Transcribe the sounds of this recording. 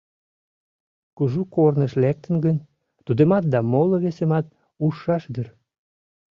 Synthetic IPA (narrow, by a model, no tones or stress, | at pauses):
kuʒukornəʃlæk̚t̪ə̆nɡən | t̪ud̪emɑt̪̚d̪ɑmoloβesemɑt̪̚ | uʃːɑʃd̪ər